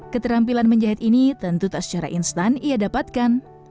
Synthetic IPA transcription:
kət̪əɾampilanməɲd͡ʒaɦɛt̪init̪ənt̪ut̪aʔsə̥t͡ʃaɾa̰ʔinst̪anijadapat̪̚kan

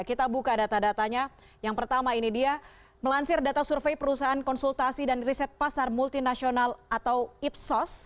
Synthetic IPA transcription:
kit̪abukadat̪adat̪aɲa | jaŋpərt̪amainidia | məlaɲsɪrdat̪asurfejpəɾusaankɔnsult̪asidanrisɛt̪̚pasarmult̪inasionalat̪awip̚sɔs

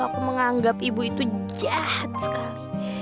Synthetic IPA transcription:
akuməŋaŋɡapibuit̪ud͡ʒahat̪̚sə̥kaɾi

